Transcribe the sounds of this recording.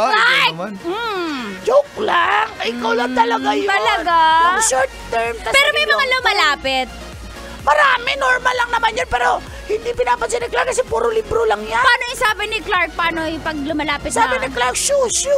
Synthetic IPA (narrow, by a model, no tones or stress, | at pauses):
lam̩d͡ʒok̚laʔɪkawlaŋt̪ɐlɐɡajt̪ɐlɐɡaʃoɹɾt̪t̪ːɛɹmt̪ɐpɛːɾomɐjmɐŋalʊmɐlaːpɪt̪̚ | mɐɾaːmɛnoɹmɐlːɐŋnɐmanjanpɛːɾo̞ | hɪnd̪ipɪnaːpɐd̪sɪnɛklaɾkɐsɛpuːɾolibɾolɐŋjanpaːnoɪsaːbɪnɪklaɹk̚paːnopɐɡ̚lʊmɐlaːpɪt̪saːbɪnɐklaɾk̚ʃusu